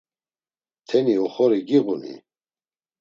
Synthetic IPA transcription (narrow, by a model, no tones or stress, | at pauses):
t̪ʰɛniɔχɔɾiɡiɣunḭ